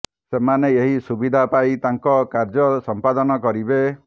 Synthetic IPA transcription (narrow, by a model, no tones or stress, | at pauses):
semaneeɦisubid̪ʱapajt̪aŋkɔkaɾd͡ʒɔsɔmpad̪ɔnɔkɔɾibe